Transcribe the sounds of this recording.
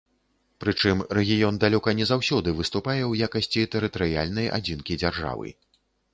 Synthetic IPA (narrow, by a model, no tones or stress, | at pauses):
pɾɨt͡ʂɨmrɛɣʲijɔnd̪alʲɔkɐnʲɛzawsʲɔd̪ɨvɨst̪upajɛwjakɐsʲt͡sʲit̪ɛɾɨt̪ɐɾɨja̰lʲnɐja̰d͡zʲinkʲid͡zʲarʐa̰vɨ̰